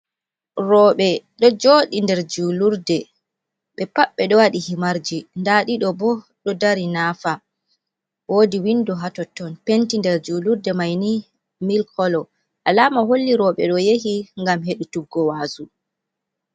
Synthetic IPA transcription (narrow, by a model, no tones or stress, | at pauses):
ɾɔːɓɛɗɔd͡ʒoːɗindɛɾd͡ʒuluɾdɛ | ɓɛpaɓːɛɗɔwaɗihimaɾd͡ʒindaɗiɗɔbɔ | ɗɔdaɾinaːfa | woːdiwindɔɦatɔtːɔnpentindɛɾd͡ʒuluɾdɛmajni | milkʰɔlɔ | ʔalaːmaɦolːiɾɔɓɛɗɔjeɦiŋɡamheɗutuɡːɔwaːsu